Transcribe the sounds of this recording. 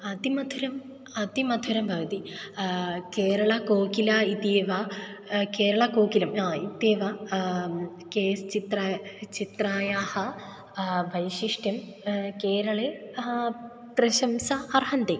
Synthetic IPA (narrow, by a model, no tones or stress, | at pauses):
ɐt̪imɐd̪ʱuɾɐm | ɐt̪imɐd̪ʱuɾɐmbʱɐʋɐt̪i | keːɾɐɭɐkoːkilait̪jʋɐkeːɾɐɭɐkoːkilɐmait̪jeʋɐ | keːst͡ɕit̪rɐt͡ɕit̪raːjaːhɐ | bʱɐjɕiʂʈjɐm | keːɾɐɭe | trɐɕɐmsɐɐrɦɐnd̪e